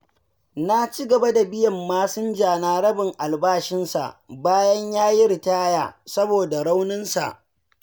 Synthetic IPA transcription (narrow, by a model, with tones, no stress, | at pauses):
na˦t͡ʃi˦ɡɐ˨ba˦da˨bɪ˦jɐ˨mːaː˦sʊ˦nd͡ʒaː˨naː˦ɾɐ˦bɪ˨ŋʔa˨lbaː˦ʃɪ˦nsa̰˨ʔbaː˦jɐ˦ɲjaː˦ji˦ɾɪ˨taː˦ja̰ː˨sɐ˦boː˨da˨ɽa˦wnɪ˦nsa̰˨ʔ